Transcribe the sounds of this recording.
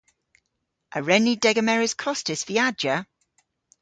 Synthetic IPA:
ʔəɹɛnidɛɡəmɛɹɪz̥kʰɔstɪsv̥iad͡ʒə

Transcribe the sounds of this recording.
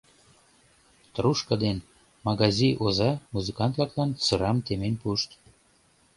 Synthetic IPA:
t̪ɾuʃkəd̪en | mɑɣɑzʲiʔozɑmuzɨkɑnt̪lɑklɑnt͡søɾɑmt̪emenʲpuʃt̪

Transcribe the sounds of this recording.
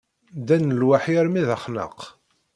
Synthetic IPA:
d̪ænəlwaħjɾmiðæχnə̰q

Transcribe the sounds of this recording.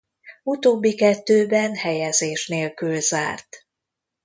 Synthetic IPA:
ut̪oːbːikɛt̪ːøːbɛnhɛjɛzeːʃneːlkylzaːrt̪

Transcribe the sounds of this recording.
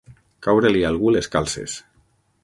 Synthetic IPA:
kawɾelialˠɣuleskalˠsḛs

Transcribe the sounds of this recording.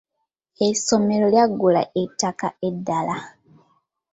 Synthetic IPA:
eso̞me̞ɾo̞ljaɡːula̰ʔetːakaedːala

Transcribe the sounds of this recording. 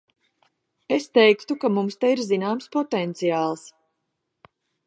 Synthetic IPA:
est̪ɛjkt̪ukamumst̪ɛiɾzinaːmspɔt̪ɛnt̪sijaːlˠs

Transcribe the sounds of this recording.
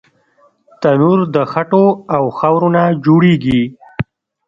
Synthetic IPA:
t̪anuɾd̪əxaʈoawxawɾonad͡ʒoɽeɡi

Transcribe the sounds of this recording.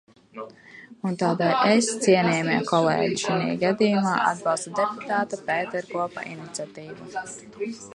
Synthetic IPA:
unt̪aːd̪ajʔɛst̪siɛnʲɛːjmɛɛkɔlˠɛ̰ːɟiʃinʲḭːjɡad̪ijumaːʔa̰d̪̚bɑlˠst̪ud̪eput̪aːt̪apɛːt̪ɛɾkuɔpa̰ʔinit̪sʲat̪iːvu

